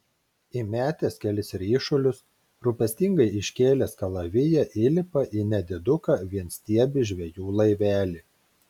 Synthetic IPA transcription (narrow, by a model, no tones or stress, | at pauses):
ɪmʲæːt̪ʲeːskʲɛlʲɪsɪɾiʃʊlʲʊs | ɾʊpʲɛsʲt̪ʲɪŋɡɐɪɪʃʲkʲeːlʲeːskɐlˠɐʋʲɪjɛʔɪlʲɪpɐʔinʲɛd̪ʲɪd̪ʊkɐʋʲiɛnsʲt̪ʲiɛbʲɪʒʲʋʲɛjuːlˠɐɪʋʲæːlʲɪ